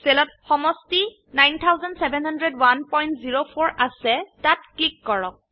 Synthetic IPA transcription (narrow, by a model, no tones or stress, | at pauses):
selɔt̚xɔmɔsti | najntʰawzɔndsɛbʱɛnhɔndɹɛdwanpɔjntziɹopʰoɹʔasɛtat̚klikːɔɹɔk̚